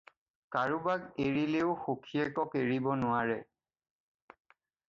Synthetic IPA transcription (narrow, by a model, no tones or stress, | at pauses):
kaɹubaɡeɹileʊxokʰiɛkɔkeɹibɔnʊaɹɛ